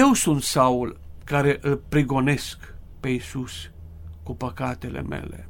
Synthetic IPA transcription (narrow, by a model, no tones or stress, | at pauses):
je̞wsunt̪saulkaɾe̞ʔɨlpɾiɡo̞ne̞skpe̞isus | kupəkat̪e̞lḛme̞̰lḛ